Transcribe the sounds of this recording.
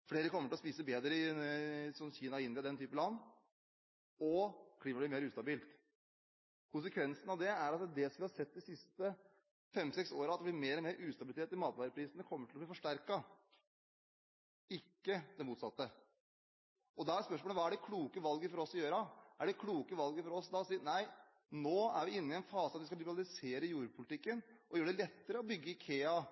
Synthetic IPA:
fleːɾəkʰɔmːəʈɪlɔspiːsəbeːd̪ɾəɪ | sɔmçiːnɑɪnʋɪd̪ɛnt̪yːpəlɑnː | ɔkʰliːməblɪːmeːɾʉːst̪ɑbiːlt̪ | kʰʊns̬əkʰʋɛnsnɑʋd̪ɛæɾɑt̪d̪ɛsɔmʋɪhɑsɛt̪̚ːd̪ɪsɪst̪ə | fɛmsɛksoːɾəɑt̪d̪ɛblɪmeːɾɔmeːɾʉːst̪ɑbɪlɪt̪ʰeːʈ̪t̪ɪmɑːt̪ʋɑɾəpʰɾiːsnəkʰɔmːəʈʰɪlɔbliːfɔʂʈæɾkɑ | ɪkːəd̪ɛmuːt̪sɑt̪ːə | ɔd̪ɑæspœʂmolʋɑːæɖɛkʰluːkəʋɑlɡəfɔɾɔsːɔjøːɾəʔæɖɛkʰluːkəʋɑlɡəfɔɾɔsd̪ɑsiːənæɪ | noːæɾʋɪɪnːɪɛnfɑːsəɑt̪ʋɪskɑlɪbəɾɑlɪseːɾəjuːɾəpʰʊlɪt̪ɪkːənʔɔjøːəɖ̪ɛlɛt̪ːəɾəɔbʏɡːəɪkʰeːɑ

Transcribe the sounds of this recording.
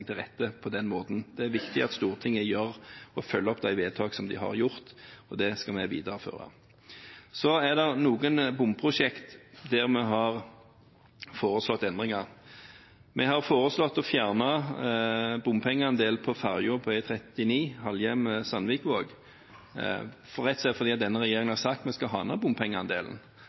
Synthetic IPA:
t̪ʰɪlʁɛ̰t̪ːəpʰɔd̪ɛnmoːt̪n̩d̪̥ɛæɾʋɪkt̪ɪɑt̪st̪uːʁt̪ʰɪŋːəjøɾɔfœlːəɔpːd̪æɪʋeːd̪̚t̪ʰɑːɡsɔmd̪ɪɦɑ̰ʁjʊʁt̪ɔd̪ɛskɑmɛʋḭːd̪əɾəfø̰ːɾɑ̰ | sɔæd̪ɛʁnuːɡənbʊmpʰʁʊʂɛkt̪d̪æʁmɛɦɑʁ | foːɾəslɔt̪ːɛnd̪ʁɪŋɑɾ | mʔɛɦɑʁfoːɾəslɔt̪ːɔfjæːʁnɑ | bʊmpʰɛŋːəɑnd̪eːlpʰɔfɑʁjʊpʰɔæt̪ʰɾɛt̪ɪniːhɑljɛmsɑnʋɪkʋoːɡ | fɔɾɛt̪sɛt̪fɔʁd̪iːɑt̪̚d̪ɛnːəʁɛjeːɾɪŋənhɑsɑkt̪mɛskɑɦɑːnɑbʊmpʰɛŋːəɑnd̪ḛːl̰n̩

